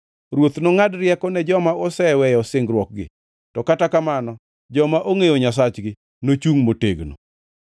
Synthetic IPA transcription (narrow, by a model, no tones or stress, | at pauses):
ɾwot̪noŋadɾjɛkɔnɛd͡ʒɔmaosɛwɛjɔsɪŋɡɾwɔk̚ɡɪ̰ | tɔkatakamanɔ | d͡ʒɔmaʔoŋejoɲas̬at͡ʃɡɪ | not͡ʃuŋmoteɡno̰